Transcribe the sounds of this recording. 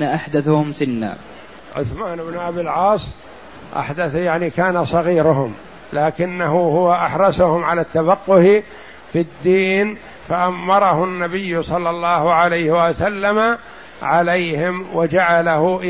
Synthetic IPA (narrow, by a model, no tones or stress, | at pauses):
naʔaħd̪aθhʊmsɪnːa̰ː | ʕʊ̰θmaːnɪbnʔabilʕɑːsˤ | ʔa̰ħd̪aθjaʕnikaːnasˤɑɣiːɾʊɦʊm | laːkɪnːaɦʊhʊwaʔaħɾˤɑsʊhʊmʕalat̪ːafaqːʊh | fid̪ːiːn | faʔamːɑɾˤɑɦʊnːabɪjːʊsˤɑlːɑlˤːɑːhʊʕalajhɪwasalːama | ʕalejhɪmwad͡ʒaʕalahʊʔ